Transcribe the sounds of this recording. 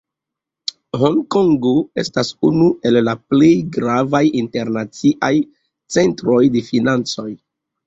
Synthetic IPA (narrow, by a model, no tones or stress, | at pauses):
hoŋkoŋɡoe̞̰stasunue̞lːaple̞jɡɾavajinte̞ɾnat͡siʔaj | t͡se̞ntɾo̞jde̞finant͡so̞j